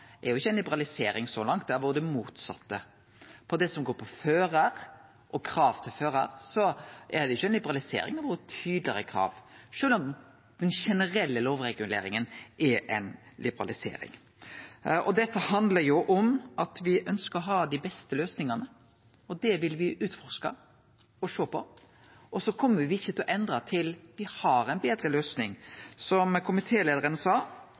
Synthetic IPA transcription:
ɛɾjʊɪçːəɛnlɪbəɾɑlɪseːɾɪŋsɔlɑŋt̪̚d̪æɾʋuːəd̪əmuːt̪sɑ̰t̪ːə | pʰɔd̪ɛsɔmɡoːɾpʰɔføːɾəɾ | ʔɔkʰɾɑːʋt̪ʰɪlføːɾə̰ɾsɔʔæɾd̪ɛʊçːɛnlɪbəɾɑlɪsḛːɾɪŋɛʋuːɾət̪ʰyːd̪lɪəɾəkʰɾɑ̰ːʋʂøːlɔm | d̪̥ɛnʃɛnəɾɛlːəloːʋɾɛɡʉlḛːɾɪŋənʔɛʔɛnlʔɪbəɾɑ̰lɪsḛːɾɪ̰ŋ | ʔɔd̪ɛt̪ːəhɑnd̪ləɾjʊʔɔmʔɑt̪ʋɪʔœnskəɾɔɦɑːd̪ɪbɛst̪əløːsnɪŋɑnə | ɔd̪ɛʋɪlʋɪʔʉːt̪fɔɾʂkɑ̰ | ɔʂoːpʰɔ | ɔsɔkʰɔmːəʋɪɪçːət̪ʰɪlɔʔɛnd̪ɾɑt̪ʰɪlʋɪhɑɾɛɪnbeːd̪ɾəløːsnɪŋsɔmkʰʊmɪt̪ʰeːleːd̪əɾənəsɑː

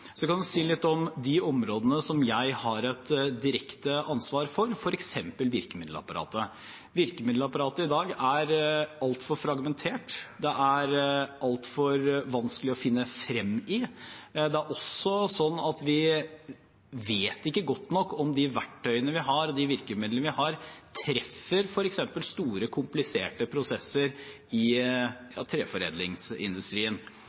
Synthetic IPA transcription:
sɔkɑnd̪ʉsiːlɪt̪ːɔmd̪ɪɔmɾoːd̪ənəsɔmjæɪhɑɾɛt̪d̪ɪɾɛkt̪əʔɑnsʋɑːɾfɔɾfɔɾɛksɛmpəlʋɪɾkəmɪd̪lɑ̰pɑɾɑ̰ːt̪ə | ʋɪɾkəmɪd̪lɑpɑɾɑːt̪əɪd̪ɑːɡæɾɑlt̪fɔɾfɾɑɡmɛnt̪ʰeːʈd̪ɛʔæɾʔɑlt̪fɔɾʋɑnskəlɪɔfɪnːəfɾɛmːɪd̪ɛæɾʔɔsːɔsɔnːɑt̪ʋɪ | ʋeːt̪ɪkːəɡɔt̪ːnɔkːɔmd̪ɪʋæʈʰːœʏənəʋɪɦɑɾɔd̪ɪʋɪɾkəmɪd̪lənəʋɪhɑɾt̪ʰɾɛfːəɾfɔɾɛksɛmpəlst̪uːɾəkʰʊmplɪseːʈəpʰɾʊsɛsːəɾ | ɪjɑ̰ːt̪ʰɾeːfɔɾḛːd̪lɪŋsɪ̰nd̪ʉst̪ɾiːən

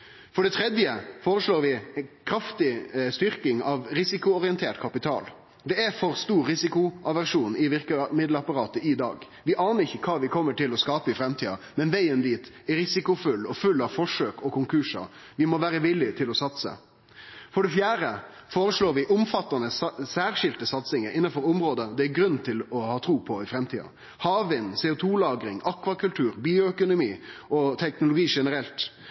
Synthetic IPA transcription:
fɔɖɛt̪ʰɾɛd̪jəfoːɾəʂɭoːɾʋɪkʰɾɑft̪ɪst̪ʏɾkɪŋɑʋɾɪsɪkʊɔɾɪənt̪ʰeːʈkʰɑpɪt̪ʰɑ̰ːl | d̪ɛæfɔɾst̪uːɾɾɪsɪkʊʔɑʋæʂuːnɪʋɪɾkəmɪd̪ləɑpɑɾɑːt̪əʔɪd̪ɑ̰ːɡ | ʋɪʔɑːnəɾɪçːəkʰɑːʋɪkʰɔmːəʈʰɪlɔskɑːpəɪfɾɛmt̪ʰiːɑ̰mɛnʋæɪənd̪iːt̪ | ɛɾɪsɪkʊfʉlːɔfʉlːɑʋfɔʂøːkɔkʰʊŋkʰʉːʂɑ̰ʋɪmɔʋæːɾəʋɪlːɪt̪ʰɪlɔsɑt̪sə̰ | fɔɖɛfjæːɾəfoːɾəʂɭoːɾʋɪʔʊmfɑt̪ːɑnəssæːɾʂɪlt̪əsɑt̪sɪŋəɾɪnːɑnfɔɾʊmɾoːd̪əd̪ɛæɾɡɾʉnt̪ʰɪlɔhɑːt̪ʰɾuːpʰɔɪfɾɛmt̪ʰiːɑ̰ | hɑːʋɪnsɛːʊt̪ʰuːlɑːɡɾɪŋɑkʋɑkʉlt̪ʰʉːɾbiːʊœkʊnʊmiːɔt̪ʰɛknʊlʊɡiːʂɛnəɾɛlt̪

